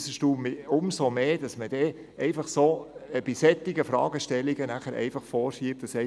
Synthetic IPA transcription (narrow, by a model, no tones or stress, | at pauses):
səʃtuːmʊmsomeːd̥ɑsməd̥ɛ | ɛɪfɑχsoːb̥isɛt̪ːɪɡəfɾɑ̰ːɡ̥əʃtɛlːiɡənæχəɾʔɛ̰ɪfɑχfɔːɾʃiəp̚td̥ɑsɛ